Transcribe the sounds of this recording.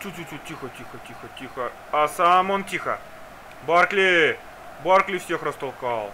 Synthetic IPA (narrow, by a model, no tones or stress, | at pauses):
t͡ʃutʲut͡ɕʲuixətʲixətʲixətʲixə | ɐsamontʲixə̰ | barklʲɪ | barklʲɪfsʲexrəst̪ɐlˠkɑlˠ